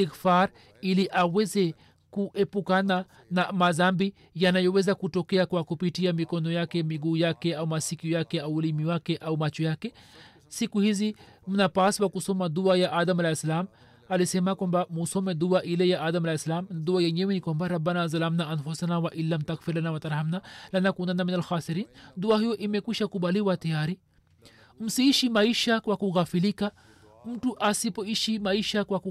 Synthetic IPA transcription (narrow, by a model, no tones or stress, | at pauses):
tikfaɾ | iliʔawɛzɛ | kuʔɛpukana | namaðambi | janajɔwɛzakutɔkɛakwakupitiamikɔnɔjakɛmiɡuːjakɛaumasikiɔjakɛauːlimiwakɛʔaumat͡ʃɔjakɛ | sikuhizim̩napaswakusɔmad̪uajaʔaðamalajsalam | alisɛmakwambamusɔmɛduaʔilɛjaʔaðamalaslamðuajɛɲɛwɛnikwambaɾabːanaz̬alamnaʔanfusanawaʔilːamt̪akfiɾlanawat̪aɾhamnalanakunanaminalxaːsiɾiːnduahijɔʔimɛkwiʃakuɓaliwatajaɾi | m̩siːʃimaiʃakwakuɣafilika | m̩tuʔasipɔiʃimaiʃakwa